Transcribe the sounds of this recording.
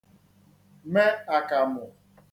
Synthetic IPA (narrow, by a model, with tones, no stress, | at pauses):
me˦a˨ka˨mʊ˨